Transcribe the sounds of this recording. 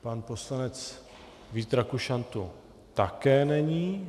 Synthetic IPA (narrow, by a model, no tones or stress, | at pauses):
panpo̞slanɛt͡s | viːt̪ɾakuʃant̪u | t̪akɛːnɛɲiː